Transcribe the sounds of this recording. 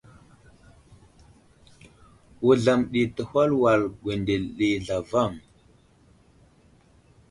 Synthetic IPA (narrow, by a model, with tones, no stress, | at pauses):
wu˨ɮa˨mɗi˨tə˨hʷa˦lwa˨lɡʷwe˨nde˨lɗi˨ɮa˨va˦˨ŋ